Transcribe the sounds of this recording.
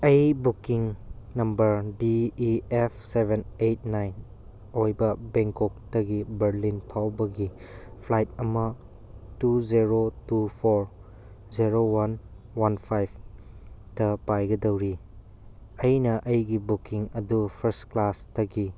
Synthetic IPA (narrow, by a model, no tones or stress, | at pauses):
ɐjbukiŋnɐmbɐɾdiepʰsebenejt̚najn | ojbɐbeŋkɔk̚tɐɡibɐɾlinpʰawbɐɡi | pʰlajt̚ɐmɐ | tuzeɾotupʰoɾ | ziɾowan | wanpʰajbʰ | tɐpajɡɐdɐwɾi | ɐjnɐʔɐjɡibukiŋɐdupʰɐɾstklastɐɡi